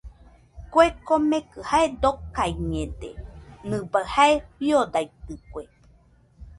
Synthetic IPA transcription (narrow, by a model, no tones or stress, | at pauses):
koekomẽkɨhaed̪okaiɲẽd̪ḛnɨbahaeɸiod̪ajt̪ɨkʷe